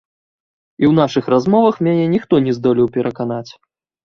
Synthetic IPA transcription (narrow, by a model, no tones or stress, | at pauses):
iwn̪aʂɨxrazmɔvɐxmʲɛnʲɛnʲixt̪ɔnʲɛzd̪ɔlʲiwpʲɛɾʔɐkanat͡sʲ